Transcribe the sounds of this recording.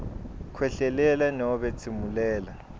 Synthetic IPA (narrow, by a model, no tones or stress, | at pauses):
kʰwɛɬɛlɛlanɔɔɓɛt͡sʰimulɛːla